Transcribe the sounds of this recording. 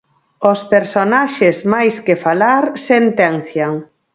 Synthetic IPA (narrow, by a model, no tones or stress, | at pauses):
ospeɾsonaʃezmajskefalaɾsent̪ɛnθjaŋ